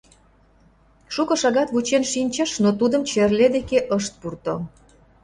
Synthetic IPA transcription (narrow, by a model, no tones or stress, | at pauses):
ʃukə̆ʃɑɣɑt̪βut͡ɕenʃinʲt͡ɕə̆ʃnot̪ud̪əmt͡ɕerled̪ekeʔəʃt̪̚purt̪o